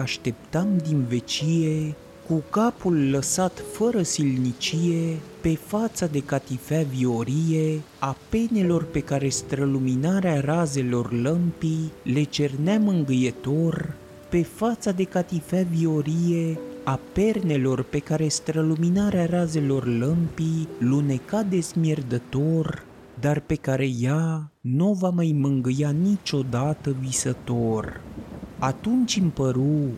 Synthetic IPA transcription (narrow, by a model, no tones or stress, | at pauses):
aʃt̪e̞p̚t̪amd̪inve̞t͡ʃije̞ | kukapulːəsat̪fəɾəsilnit͡ʃije̞pe̞fat̪sad̪e̞kat̪ifavio̞ɾijeape̞ne̞lo̞rpe̞kaɾe̞st̪ɾəluminaɾearaze̞lo̞rləmpile̞t͡ʃe̞rneamɨŋɡɨjet̪o̞rʲ | pe̞fat̪sad̪e̞kat̪ifavio̞ɾije̞ape̞rne̞lo̞rpe̞kaɾe̞st̪ɾəluminaɾeaɾaze̞lo̞rləmpilune̞kad̪e̞zmje̞rd̪ət̪o̞r | d̪arpe̞kaɾe̞januvamajmɨŋɡɨjanit͡ʃo̞d̪at̪əvisət̪o̞r | at̪unt͡ʃɨmpəɾu